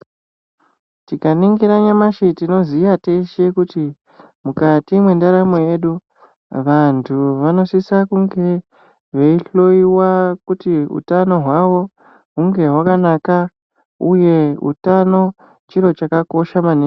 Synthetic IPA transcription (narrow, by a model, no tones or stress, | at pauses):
tikaniŋɡiɾaɲamaʃetino̞zijateʃe̞kuti | mukatimwe̞ndaɾamo̞je̞ɗu | ʋantʰuʋano̞sisakuŋɡe̞ | ʋeiɬo̞iwakutiṵtano̞ɦwaʋo̞ | ɦuŋɡe̞ɦwakanaka | uje̞ṵtano̞ | t͡ʃiɾo̞t͡ʃakako̞ʃamane